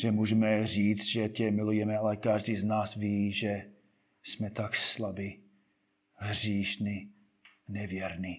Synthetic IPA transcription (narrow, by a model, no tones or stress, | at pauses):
ʒɛmuʒɛmɛriːt͡st̪ʒɛcɛmɪlujɛmɛalɛkaʒdiːznaːsviːʒɛ | smɛt̪akslabi | ɦr̝iːʃni | nɛvjɛɾni